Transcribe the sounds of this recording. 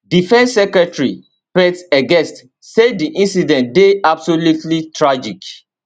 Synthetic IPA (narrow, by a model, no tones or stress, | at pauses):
difɛ̃nsːɛkɹɛtɹi | pɛtsɛɡɛ̃st | sediʔĩnsidɛ̃ntdeabsolutlitʰɹad͡ʒik